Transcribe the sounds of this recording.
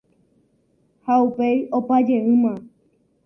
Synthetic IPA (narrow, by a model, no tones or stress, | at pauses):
haupejopad͡ʒeɨ̃mã